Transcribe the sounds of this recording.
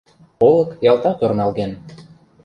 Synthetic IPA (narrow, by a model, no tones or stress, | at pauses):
olˠɤ̆kjɑlˠt̪ɑt̪ornɑlˠɣen